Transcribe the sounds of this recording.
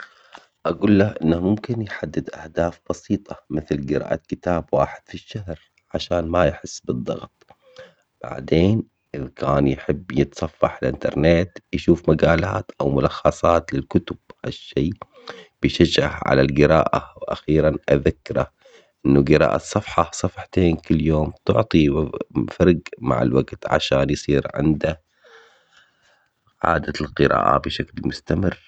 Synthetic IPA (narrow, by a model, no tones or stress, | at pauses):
ʔaɡuːlːahʔɪnːamʊmkɪnjħad̪ːɪd̪ʔahd̪aːfb̥ɑsiːt̪ˤɑ̥mɪθlɡɪɾa̰ːʔakɪt̪aːbwa̰ːħɪd̪̥fiʃːahɾ | ʕaʃaːnmajħɪsːbɨd̪ˤːɑ̰ɣt̪ˤ | b̥a̰ʕd̪eːn | ʔɪðkʰaːnjħɪbːjɪt̪sˤɑfːɑħɪlʔɪ̰nt̪ɑ̰ɾˤneːt̪jʃuːfmaɡaːlaːt̪ʔawmʊlɑxːɑsˤɑːt̪lɪlkʊt̪ʊb̥̚ha̰ʃːiː | b̥ɪʃad͡ʒahʕa̰lalɡɪɾa̰ːʔawʔa̰xiːɾanʔaðakːɪɾˤa | ʔʔɪnːuɡɪɾɑ̰ːʔasˤːɑfħɑsˤɑfħt̪eːnkɪlːjoːmt̪ʊʕt̪ˤifɑɾˤɡma̰ʕɪ̰lwaɡt̪ʕa̰ʃaːnjsˤiːɾʕɪ̰nd̪a | ʕa̰ːd̪alqɨɾa̰ːʔa̰bɪʃaklmʊst̪amɪrː